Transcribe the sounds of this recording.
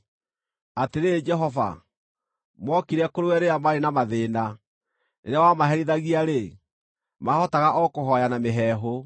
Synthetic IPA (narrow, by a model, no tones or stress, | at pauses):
ateɾed͡ʒɛɦɔva̰ | mwɔkiɾɛkoɾewɛɾeamaɾenamaðeːna | neɾɛwamaɦɛɾiðaɣiaɾe | mahɔtaɣaʔɔkoɦɔjanameɦɛːɦo